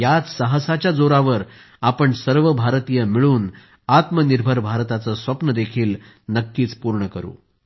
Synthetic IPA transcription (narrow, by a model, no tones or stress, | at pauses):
jat͡ssəɦəsat͡ɕjad͡zoɾaʋəɾ | apəɳsəɾʋəbʱaɾt̪ijəmiɭuːn | at̪məniɾbʱəɾbʱaɾt̪at͡səsʋəpnəd̪ekʰiːl | nəkːiːt͡spuɾɳəkəɾṵː